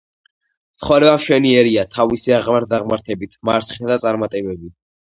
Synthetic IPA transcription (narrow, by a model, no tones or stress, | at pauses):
mt̪ʰχɔɾɛbamʃwɛniɛɾiat̪ʰavisiaʁmaɾ̚d̪aʁmaɾt̪ʰɛbit̪ʰmaɾt̪sʰχi̥t̪ʰad̪at̪sʼaɾmat̪ʼɛbɛbi